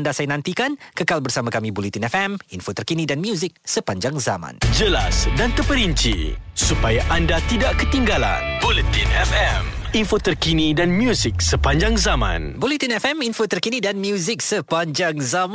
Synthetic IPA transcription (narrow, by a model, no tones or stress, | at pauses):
ndasajanãnt̪ikankəkalbərsamakamibolit̪inɛfɛminfot̪ərkinidanmijuzɪk̚səpaɲd͡ʒaŋzamã̰nd͡ʒəla̰sdant̪əpəɾiɲt͡ʃḭsupajaʔandat̪idaʔkət̪iŋɡala̰nb̥olit̪inɛfɛminfot̪ərkinidanmjuzik̚səpaɲd͡ʒaŋzamã̰nbolit̪inɛfɛminfot̪ərkinidanmjuzɪk̚səpaɲd͡ʒaŋzam